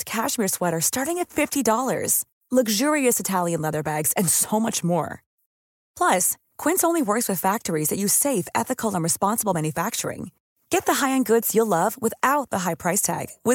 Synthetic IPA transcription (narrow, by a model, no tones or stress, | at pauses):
kʰæʃmiɹswɛɾə˞stɑɹɾɪ̃ŋɨtfɪftidɔlˠə̰˞z̥ | lʌɡʒʊɹiɨsɨtʰælˠjɨ̃nlɛðə˞bæɡz̥ɨ̃nsoʊmʌt͡ʃmɔ̰ɹ | pʰl̥ʌs | kʰw̥ɪ̃nsõʊ̃nliwɜ˞kswɨð̥fæk̚tə˞izðɨt͡ʃɨseɪfɛθɨkʰl̩ˠə̃nɹɨspɑ̃nsəbl̩ˠmæ̃njɨfæk̚t͡ʃə̰˞ɪ̰̃ŋ | ɡ̥ɛt̪̚ðɨɦaɪɨ̃nɡʊdz̥jəlʌvwəθaʊt̪̚ðəɦaɪpʰɹ̥aɪstʰæ̰ɡ̥wɪ